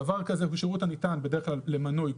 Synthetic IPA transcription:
avaʁkazekuʃeut̪anitanbe̞de̞eχklallemanoj

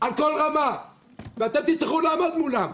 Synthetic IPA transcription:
ʔalko̞lʁama | veat̪e̞mt̪it͡sχulamod̪mulam

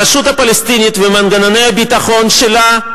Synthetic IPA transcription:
aʃut̪apɐlest̪inʲit̪vemanɡanane̞jabit̪aχo̞nʃela

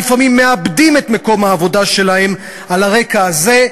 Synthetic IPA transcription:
ifamimːe̞abdimetme̞ko̞mhaːvo̞daʃe̞lahe̞m | alaʁe̞kaːze̞

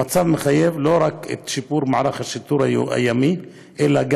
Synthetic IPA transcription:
at͡savmeχajevlo̞ɾakḛt̪ʃipuɾmaʕɾaχaʃit̪uɾa̰jami | ʔelaɡ

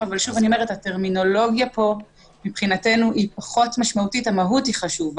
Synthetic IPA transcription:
avalʃuvaniomeethateʁmino̞lo̞ɡjapo̞ | mipχinate̞nuʔipaχo̞tmaʃmautitamaɦutiχaʃuv

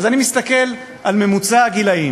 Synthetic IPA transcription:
zanimist̪ake̞l | ʔalme̞mut͡saɡilai

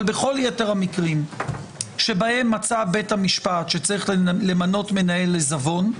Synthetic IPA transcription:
lbe̞χo̞ljeteʁhamikʁim | ʃe̞bahe̞mːat͡sabethamiʃpatʃet͡saʁiχlle̞mano̞tme̞nae̞lːe̞zavo̞n

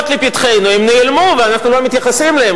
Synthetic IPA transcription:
t̪lipit̪χe̞jnuimneilmuveanaχnulomit̪jaχasimlee

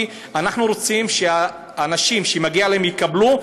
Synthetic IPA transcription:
anaχnuɾo̞t͡simʃeaː | naʃimʃemaɡialeemjikablu

